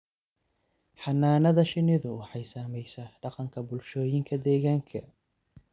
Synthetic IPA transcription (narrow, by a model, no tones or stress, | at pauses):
ħɑnaːnɐðɐʃɪnɪðʊwɑħɑjsaːmɛjsɐɖɑqɑŋkʰɐbʊlʃɔːjɪŋkʰɐd̪ɛːɣaːŋkʰɐ